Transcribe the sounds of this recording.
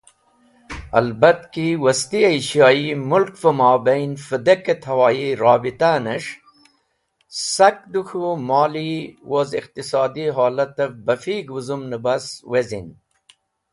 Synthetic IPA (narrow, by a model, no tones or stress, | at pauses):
ɐ̰lbɐt̪kiwɐst̪iɐiɕjɑːimulkfɐmɑːbɐjnfəd̪ɐkɐt̪ʰɐwɑːiɾɑːbit̪anɐʂ | sɐk̚d̪uxʰumɑːliwoziqt̪isɑːd̪iɦɑːlɐt̪ɐfbɐfiːɡuzumnəbɐswezḭn